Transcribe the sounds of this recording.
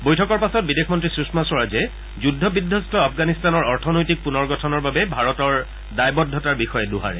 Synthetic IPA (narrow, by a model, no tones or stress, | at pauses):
bojtʰɔkɔɹpasɔt̚bidexmɔntɹisɹusmasɔɹazɛ | zudʱːɔbidʱːɔstʰɔapʰɡanistanɔɹɔɹtʰɔnojtik̚punɔɹɡɔtʰɔnɔɹbabɛbʱaɹɔtɔɹ | dajbɔdʱːɔtaɹbixɔjɛluɦa̰ɹɛ̰